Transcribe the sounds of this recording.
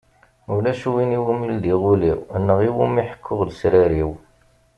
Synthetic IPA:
ulæʃuwiniwumild̪iʁuliwənːəʁiwumːiħə̥kʰːʊʁlsɾæɾiw

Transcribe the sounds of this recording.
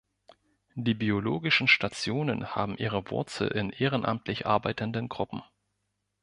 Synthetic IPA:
d̥iːbioloːɡɪʃn̩ʃtat͡sjoːnənha̰ːbm̩ʔiːʁ̞əvʊ̰ɐt͡sl̩ʔɪ̰nʔeːʁ̞ənʔa̰mtʰlɪçʔa̰ɐbaɪtəndənɡʁʊpm̩

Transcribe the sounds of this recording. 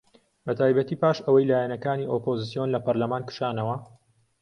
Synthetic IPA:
bɐt̪ʰaːjbɐt̪iːpaːʃɐwɐjlaːjɛnɐkaːniːʔoːpoːzɨsijo̞nlɐpɐɾlɐmaːnkɨ̥ʃaːnɐwɐ

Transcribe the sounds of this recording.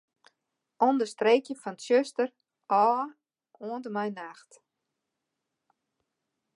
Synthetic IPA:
ʔɔndərstreːkjəfɑntsøstər | ʔɔː | ʔoəndəmɛjnaxt

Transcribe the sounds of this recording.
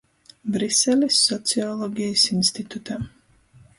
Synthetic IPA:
bɾisɛlʲisːɔt̪siɔlˠɔɡʲijsinst̪it̪ut̪am

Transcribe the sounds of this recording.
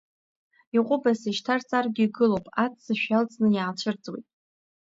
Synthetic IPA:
iqʷʼʊbasiʃtʰart͡sʼarɡʲiːɡɨlowpʼat͡sʰsɨʃᶣalt͡sʼnɨjaːt͡ʃʷʰɨrt͡sʼwḭtʼ

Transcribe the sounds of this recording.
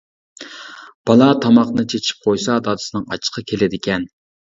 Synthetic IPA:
b̥ɑlˠɑt̪ʰɑmɑqnɨt͡ʃʰet͡ʃʰi̥p̚qʰojsɑd̪ɑd̪ɨ̥sɨnɨŋɑ̰t͡ʃʰːə̥qʰɑkʲʰelɪd̪ɪkʲɛn

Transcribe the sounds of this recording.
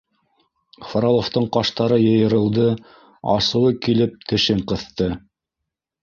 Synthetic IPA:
foɾolˠoft̪ɤɴqɑʃt̪ɑɾɤjɤ̆jɤ̆ɾɤ̆lˠd̪ɤ | ɑ̰sɤ̆wɤkilɘp̚t̪ɘ̆ʃɘɴqɤ̆θt̪ɤ

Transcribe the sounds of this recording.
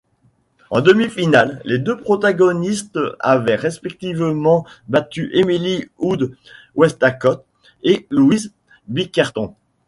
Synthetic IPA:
ɑ̰̃d̪əmifinalːed̪øpχɔt̪aɡɔnist̪a̰vɛʁespɛk̚t̪ivmɑ̃bat̪yʔemiliud̪ | wɛst̪akɔt̪̚ | elwiz | bikaʁt̪ɔ̃

